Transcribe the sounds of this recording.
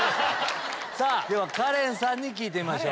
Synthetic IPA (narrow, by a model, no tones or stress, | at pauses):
saːd̪eβakaɾẽ̞ɰ̃sãɲ̟ːik̬ʲiːt̪̬e̞imaɕo̞ː